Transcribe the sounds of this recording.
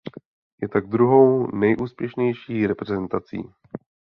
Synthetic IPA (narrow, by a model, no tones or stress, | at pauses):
jɛt̪aɡ̚d̪ɾuɦo̞wnɛjʔuːspjɛʃɲɛjʃiːɾɛpɾɛzɛnt̪at͡sḭː